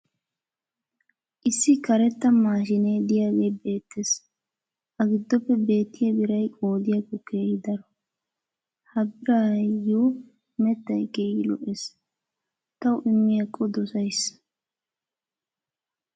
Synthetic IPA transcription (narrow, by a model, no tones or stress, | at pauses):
ʔɪsːɪkɐɾɛt̪ːɐmaːʃɪneːd̪ɪjaːɡe̞ːbe̞ːt̪ːes | ʔɐɡɪd̪ːɔpːɛbe̞ːt̪ːɪjɛbɪɾɐjkʼoːd̪ɪjakːɔke̞ːhɪd̪ɐɾɔ | hɐbɪɾaːju | mɛt̪ːɐjkeːjɪlɔ̰ʔes | t̪ɐwʔɪmːɪjɐkʼːɔd̪ɔsɐjs